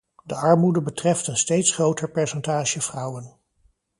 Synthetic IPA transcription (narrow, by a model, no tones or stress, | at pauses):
dəʔɑɹmudəbətrɛftənstejtsχrowtəɹpɛɹsɛntaːʒəv̥rʌwən